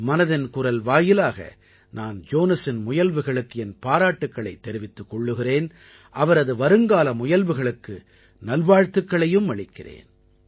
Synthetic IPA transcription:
mɐnɐðɪnkʊɾɐlʋaːjɪlaːɣɐ̰ | naːnd͡ʒoːnɐsɪnmʊjɐlʋɯɣɐɭɯkːɯɛnpaːɾaːʈːɯkːɐɭɐɪt̪ːɛɾɪʋɪt̪ːɯkːɔɭːɯɣɪreːn | ʔɐʋɐɾɐðɯʋɐɾɯŋɡaːlɐmʊjɐlʋɯɣɐɭɯkːɯ | nɐlʋaːɻt̪ɯkːɐɭɐjɯmʋɐɭɪkːɪrḛːn

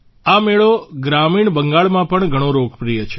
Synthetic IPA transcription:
ameɭoɡɾamiɳbəŋɡaɭmãpəɳɡʱəɽ̃õɾokpɾijət͡ʃʰe

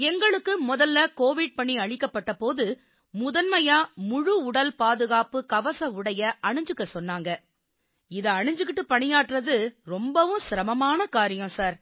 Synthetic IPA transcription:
ɛŋɡɐɭɯkːɯmʊðɐlːɐkoːʋɪɖ̚pɐɳiɐɻɪkːɐpːɐʈːɐpoːðɯ | mʊðɐnmɐjaːmʊɻuʊɽɐlpaːðɯɣaːpɯkɐʋɐsɐʊɽɐjɐʔɐɳɪɲd͡ʒɯkːɐsɔnːaːŋɡɐ | ɪðɐɐɳɪɲd͡ʒɯk̬ːɪʈːɯpɐɳɪjaːʈːɾɐðɯɾɔmbɐʋɯ̃sɪɾɐmɐmaːnɐkaːɾɪjɐ̃saːɾ

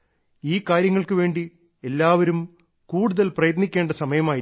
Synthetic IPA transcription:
iːkaːɾjɐŋːɐɭkɨʋe̞ːɳɖi | e̞lːaːʋɐɾum | kuːɽuðɐlprɐjɐt̪nikʲːe̞ːɳɖɐsɐmɐjɐmaːji

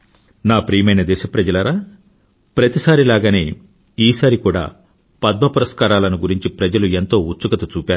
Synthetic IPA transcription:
naːpɾiːjmɐjnɐd̪ɛːʃɐpɾɐd͡ʒɐlɐːɾaː | pɾɐt̪isaːɾilaːɡɐnḛː | iːsaːɾikuːɽa̰ː | pɐd̪̚mɐpɐɾɐskaːɾaːlɐnuɡuɾiɲt͡ʃipɾɐd͡ʒɐlue̞nt̪o̞ːut͡ʃːukɐt̪ut͡ʃuːpʲaːɾu

